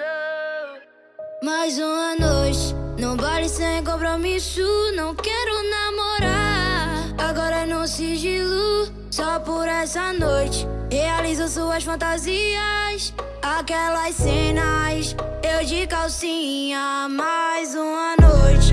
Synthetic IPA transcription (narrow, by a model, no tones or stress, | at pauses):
majzũɐnojt͡ʃɪ̥nɐ̃valɪsẽj̃k̬õpɾomisʊnɐ̃w̃kɛɾʊnamoɾa | aɡɔɾɐenɐ̃w̃siʒilʊʊ | sɔpoɾɛsɐnojt͡ʃɪ̥healizʊsuɐsfɐ̃nt̪aziɐs | akɛlɐssenajs | ewd͡ʒikawsĩɲɐmajzũɐnojt͡ʃɪ